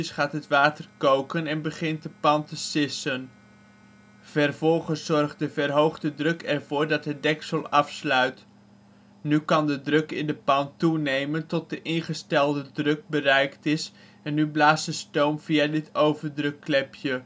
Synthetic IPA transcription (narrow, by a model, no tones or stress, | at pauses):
ɪsχaːtɦətʋaːtərkowkənɛnbəχɪnt̚dəpɑntəsɪsən | v̥ɛrvɔlˠχəszɔrχ̚dəvərɦowχdədrɵkɛrvʊːɹdɑtɦət̚dɛksəlˠɑfslœɥt | nykɑndədrɵkɪndəpɑntunejməntɔt̚dəʔɪnχəstɛlˠdədrɵk̚bərɛjktɪs | ɛnːyblaːsdəstowmv̥iadɪtʰowvərdrɵkːlɛpʰjə